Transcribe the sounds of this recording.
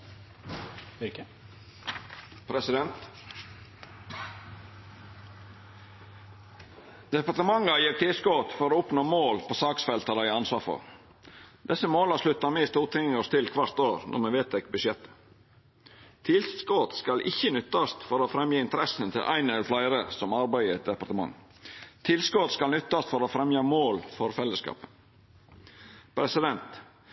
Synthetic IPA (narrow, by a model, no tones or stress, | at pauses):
pʰɾɛsɪd̪ɛnt̪ | d̪̥ɛpɑʈ̪əmɑŋːɑjiːʈ̪ʰɪlskot̪fɔɾoːʊpnoːmoːlpʰoːsɑːksfɛlt̪əd̪æɪɑnsʋɑːɾfɔ̰ɾ | d̪̥ɛsəmoːlɑʂlʉt̪ːɑmɛst̪uːt̪ʰɪŋəst̪ʰɪlkʰʋɑɾt̪oːɾnʔɔ̰ɾmɛʋeːt̪ɛkbʉʃjɛt̪ːə̥ | t̪ʰɪlsskoːt̪skɑlʔɪ̰çːənʏt̪ːɑst̪fɔɾoːfɾɛmjəɪnt̪əɾɛsənt̪ʰɪlʔæ̰ɪnəlflæɪɾəsɔmɑɾbæɪəɛt̪̚d̪ɛpɑɾʈt̪əmɑ̰ŋː | t̪ʰɪlskot̪skɑlnʏt̪ːɑst̪fɔɾoːfɾɛmjɑmoːlfɔɾfɛlːəskɑ̰ːpən | pʰɾɛsɪd̪ɛnt̪